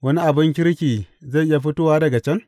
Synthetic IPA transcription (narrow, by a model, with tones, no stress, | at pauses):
wɐ˦ni˦ʔa˨bɪ˦ŋkʲɪ˦ɽkʲiː˨za˦˨ʔɪ˦ja˨ɸɪ˦toː˦waː˦dɐ˨ɡa˨t͡ʃɛ˦ŋ